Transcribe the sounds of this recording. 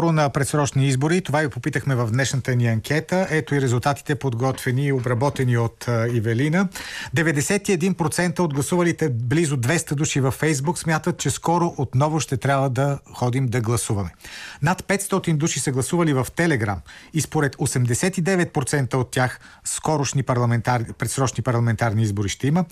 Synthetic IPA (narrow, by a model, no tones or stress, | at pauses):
ɔɾonɐpɾɛt̪sɾɔt͡ʃniizboɾit̪ovaɡipopit̪əxmɛvɐvd̪nɛʃnət̪əniɐŋkʰʲɛt̪əʔɛt̪oiɾɛzulˠt̪at̪i̥t̪ɛpod̪ɡɔt̪vɛniːobɾɐbɔt̪ɛniot̪ivɛlinəd̪ɛvɛd̪ɛsɛt̪iɛd̪inpɾot̪sɛnt̪əod̪ɡlˠɐsuvəlit̪ɛblizʊd̪vɛst̪əd̪uʃivɐfːɛjzbuksmʲjat̪ət̪̚t͡ʃɛskɔɾoʔot̪nɔvʊʃt̪ɛt̪ɾʲjabvəd̪ɐxɔd̪imd̪ɐɡlˠɐsuvɐmɛnat̪pɛt̪st̪ɔt̪ind̪uʃisəɡlˠɐsuvɐlivɐft̪ɛlɛɡɾa̰mispoɾɛt̪osɛmd̪ɛsɛt̪id̪ɛvɛt̪̚pɾot̪sɛnt̪əot̪ːjax | skɔɾoʃnipɾlˠɐmɛt̪aɾpɾɛt̪sɾɔt͡ʃnipɐɾlˠɐmɛnt̪aɾniizboɾiʃt̪ɛimə